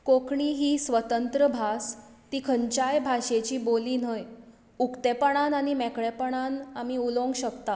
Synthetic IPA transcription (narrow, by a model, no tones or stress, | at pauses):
kokʰɳiːɦiːsʋət̪ənt̪ɾəbʱast̪iːkʰəɲt͡ɕajbʱaɕet͡ɕiːboliːnɦəj | ukt̪epəɳ̃anaɽ̃imɛkɭepəɳ̃anamiːulõŋɡɕək̚t̪a